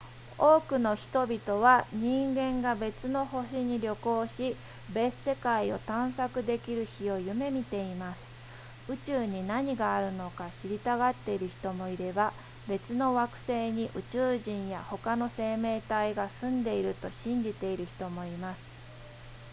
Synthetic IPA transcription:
o̞ːkɯ̟no̞çi̥t̪o̞bʲit̪o̞β̞aɲ̟ĩŋɡẽ̞ŋɡabe̞t͡sɨno̞ho̞ɕiɲ̟iɾʲo̞ko̞ːɕi | be̞sːe̞kaio̞̰t̪ãɰ̃sakɯ̟d̪e̞kʲiɾɯ̟çio̞jɯ̟me̞mʲit̪e̞imasɨ̥ | ɯ̟t͡ɕɨːɲ̟inaɲ̟iɡaːɾɯ̟no̞kaɕiɾʲit̪aɡat̪ːe̞iɾɯ̟çi̥t̪o̞mo̞iɾe̞ba | be̞t͡sɨno̞βakɯ̟̥se̞ːɲ̟iʔɯ̟t͡ɕɨːʑĩɰ̃ja̰ho̞kano̞se̞ːme̞ːt̪aiɡasɨ̃nd̪e̞iɾɯ̟t̪o̞ɕĩɲ̟d͡ʑit̪e̞iɾɯ̟çi̥t̪o̞mo̞imasɨ̥

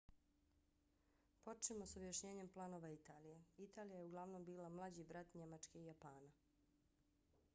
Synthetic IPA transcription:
po̞t͡ʃimo̞sobjaʃɲe̞ːɲe̞mplˠano̞ːʋait̪aːlije̞it̪aːlijajeuɡlˠaʋno̞mbiːlamlˠad͡ʑibɾat̪ɲe̞mat͡ʃke̞ijapaːna

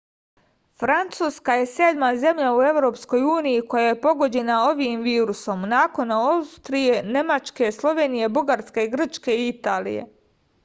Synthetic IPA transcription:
fɾant̪suːskaje̞sed̪maze̞mʎaue̞ʋɾo̞ːpsko̞juːnijiko̞jaje̞po̞ɡo̞d͡ʑe̞nao̞ʋiːmʋiːɾuso̞mnaːko̞naaust̪ɾije̞ne̞mat͡ʃke̞slˠo̞ʋe̞ːnije̞buɡaɾske̞iɡr̩t͡ʃke̞iit̪aːlḭjḛ

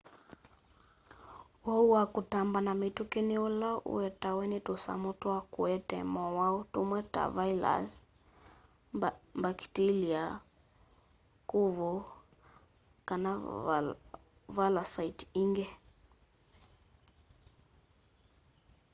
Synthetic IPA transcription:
wauwakutambanamitukiniulaʔṵɛtawɛnitusa̰mutwakuɛtɛ̰mɔwautumwɛta̰vaila̰z | mbaki̥tilia | kuvɔ | kana | valasaitiŋɡɛ

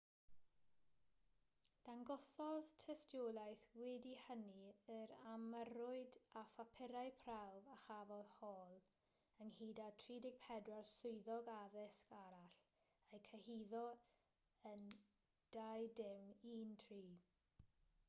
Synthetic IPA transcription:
d̥anɡɔsɔðtʰɛstjolˠajθwɛdihəniəɾaməɾʊɨdafapʰɪɾajpʰrawvaχavɔðhɔːlˠ | ənhiːdatʰriːdɪɡ̥̚pʰɛdwarsʊɨðɔɡaðɪskaɾaɬ | ejkʰəhiːðɔ | ən | d̥ajdɪmiːntʰriː

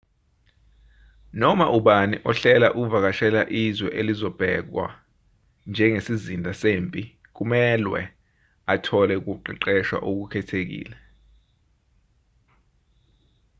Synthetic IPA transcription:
nɔmaʔuɓaniʔɔɬɛlaʔuk̬uvak̬aʃɛlaʔizwɛʔelizɔb̥ʱɛk̬wa̰ | nd͡ʒʱɛŋesizindʱʼasempʼi | k̬umɛlwɛ̰ | atʰɔlɛuk̬uǃḭǃɛʃwa̰ʔuk̬ukʰɛtʰek̬ḭːlɛ

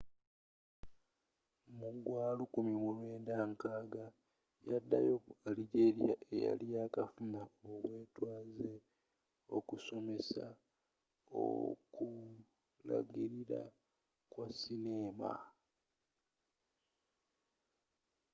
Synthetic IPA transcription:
muɡwaːlukumimulwe̞ːndaŋkaːɡa | jadːa̰jo̞aliɟeɾija̰ʔeja̰lijaːkafunaoβwe̞ːtwaːze | o̞kuso̞me̞sa | o̰ku | la̰ɡiɾiɾa̰ | kwasineːma̰

